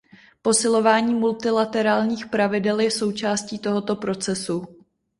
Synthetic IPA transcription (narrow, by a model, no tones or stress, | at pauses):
po̞sɪlo̞vaːɲiːmult̪ɪlat̪ɛɾaːlɲiːxpɾavɪdɛljɛso̞wt͡ʃaːsciːt̪o̞ɦot̪o̞pɾo̞t͡sɛsu